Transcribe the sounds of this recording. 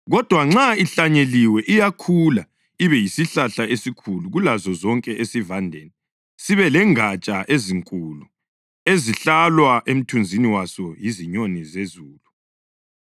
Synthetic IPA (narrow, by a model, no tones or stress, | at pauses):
ɣɔd̥ʱwaŋ͡ǁaiɬaɲeliwɛʔijakʰula | iβɛjisiɬaɬaesikʰuluɣulazɔzɔŋkʼɛʔesivandʱḛːni | siβɛlɛŋat͡ʃʼaʔeziŋkʼulu | eziɬalwaʔem̩tʰund͡zʱiniwasɔjiziɲonizezuːlu